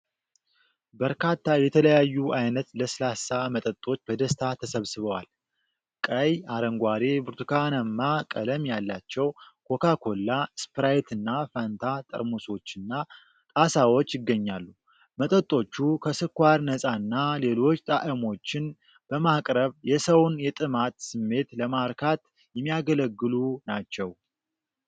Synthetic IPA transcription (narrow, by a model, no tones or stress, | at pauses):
bəɾkʰat̪ːajɛt̪ʰələjajːuʔajnət̪ləsɨlasamət̪ʼət̪ʼːo̞t͡ʃːbəd̪əst̪ʰat̪ʰəsəβsɨβəwa̰l | kʼəjaɾəŋɡʷaɾebɨɾt̪ukʰanəmːakʼələmjalːat͡ʃːɛwkʰo̞kʰakʰo̞lːaspɾajt̪ʰɨnːafant̪ʰat̪ʼə̰ɾmoso̞t͡ʃːɨnːa | t̪ʼasawot͡ʃːjɪɡːəɲːalːu | mət̪ʼət̪ʼːo̞t͡ʃːukʰəsɨkʷaɾnəsʼanːale̞lo̞t͡ʃːt̪ʼaʔɨmo̞t͡ʃːɪn | b̥əmakʼɾəβjɛsəwnjɛt̪ʼɨmat̪sɨmːe̞t̪ləmaɾkʰat̪ | jɛmːijaɡələɡːɨlunat͡ʃːɛw